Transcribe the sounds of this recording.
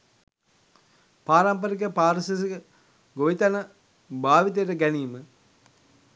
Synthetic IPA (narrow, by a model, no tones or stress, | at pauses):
paːɾampəɾik̬əpaːɾəsisiə | ɡoʋit̪anə | baːʋit̪əjʈəɡæniːmə